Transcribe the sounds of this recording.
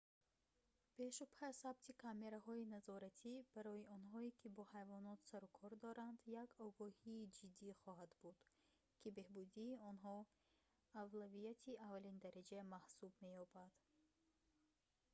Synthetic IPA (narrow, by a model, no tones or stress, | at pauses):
be̞ʃupʰasab̚t̪ʰikʰame̞ɾaɦɔinazɔɾat̪ʰib̥aɾɔiɔnɦɔikʰibɔhajvɔnɔt̪saɾukʰɔɾd̪ɔɾand̪jakɔɡɔhiːd͡ʒid̪ːiχɔɦad̪bud̪̥ | kʰibe̞hbud̪iːɔnɦɔ | avlavijat̪ʰiavalind̪aɾad͡ʒamahsubme̞jɔbad̪̥